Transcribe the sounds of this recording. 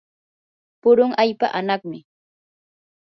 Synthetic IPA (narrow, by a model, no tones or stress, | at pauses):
pʊɾʊŋʔajpa̰ʔanɑχmɪ